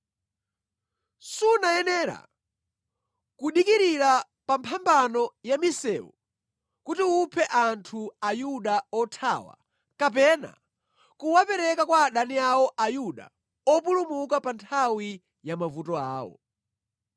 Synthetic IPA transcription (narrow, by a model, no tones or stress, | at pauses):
sunaɛnɛːɾa̰ | kuɗikiɾiɾa | pampʰambanɔjamisɛːu | kutiupʰɛʔantʰuajuɗaɔtʰa̰wa̰ | kap̬ɛna̰ | kuwapɛɾɛkakwaːɗaniawɔʔajuɗa̰ | ɔpulumukapantʰawi | jamavutɔa̰ːwɔ̰